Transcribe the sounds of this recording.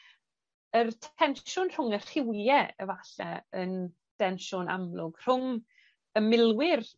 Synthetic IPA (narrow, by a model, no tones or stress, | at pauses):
ərtʰɛnʃʊnr̥ʊŋə̥r̥ɪwɛə̰vaɬɛ̰ən | d̥ɛnʃʊna̰mlˠʊɡ̥r̥ʊŋ | əmɪlˠwɪr